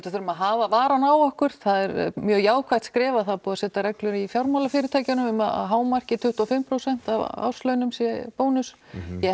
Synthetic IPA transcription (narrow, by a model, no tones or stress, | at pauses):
t̪aθʏɾʏmaðɦavavaːɾanaːwɔhkʏɾ̥t̪θaðɛɾmjœːɣjaːwkʰvajt̪skɾɛːvaθaðpɔːðasɛːt̪aɾɛklʏɾifjawɾmawlafɪːɾɪt̪ʰaːjcanʏmʏmaa̰ɦaːwmar̥cɪt̪ʰʏht̪ɔfɪmpʰɾowsɛn̥t̪av̰a̰wslœɥnʏmsjɛpoːwnʏs | jɛ